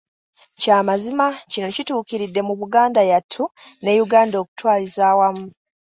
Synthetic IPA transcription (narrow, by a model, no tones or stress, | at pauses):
caːmazimacino̞cituːkiɾidːe̞muβuɡaːndajatʰːune̞ːjuɡaːndo̞ku̥twaːlizaːwamu